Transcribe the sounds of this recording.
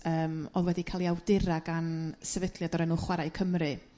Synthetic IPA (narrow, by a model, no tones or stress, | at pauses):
əːmɔðwɛdikʰalˠiawdɪɾaɡansɛvɛdlˠjadɔɾɛnuːχwaɾajkʰəmrɨ